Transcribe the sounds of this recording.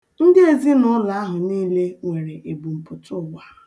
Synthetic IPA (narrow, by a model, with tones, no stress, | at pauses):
n̩˦dɪ˦e˨zi˦nʊ˦la˨a˦ɦʊ˨niː˦le˦ŋʷe˨ɾe˨ʔe˨bu˨m̩˨pʊ˨tʊ˦˨ɡ͡ba˦